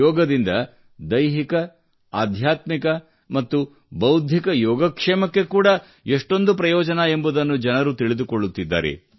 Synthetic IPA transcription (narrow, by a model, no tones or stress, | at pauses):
ɔːɡɐd̪ind̪ɐ | d̪ɐjɦikɐ | aːd̪ʱjaːt̪mikɐ | mɐt̪ːu | bɐwd̪ʱjikɐjɔːɡɐkʂɛːmɐkːe̞kuːɽɐ | eʂʈo̞nd̪upɾɐjɔːd͡ʒɐnɐe̞mbud̪ɐnːud͡ʒɐnɐɾut̪iɭid̪ukoɭːut̪ːid̪ːa̰ːɾḛ